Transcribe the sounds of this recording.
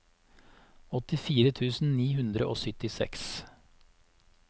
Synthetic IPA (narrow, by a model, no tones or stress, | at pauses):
ɔt̪ɪfiːɾət̪ʰʉːsn̩niːhʉnd̪ɾəʔo̰ːsʏt̪ɪsɛ̰ks